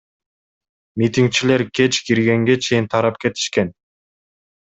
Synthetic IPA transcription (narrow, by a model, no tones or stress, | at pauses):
mʲit̪ʲiŋk̚t͡ʃile̞ɾke̞t͡ʃkiɾɡe̞ŋɡe̞t͡ʃʰe̞jint̪ʰɑɾɑpke̞t̪ʰi̥ʃke̞n